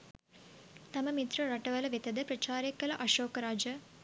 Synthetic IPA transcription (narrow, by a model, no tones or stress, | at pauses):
t̪ɐmɐmit̪ɾɐɾɐʈɐʋɐlɐʋet̪ɐd̪ɐpɾɐt͡ʃaːɾɐkːɐlɐʔɐʃoːkɐɾaːd͡ʒɐ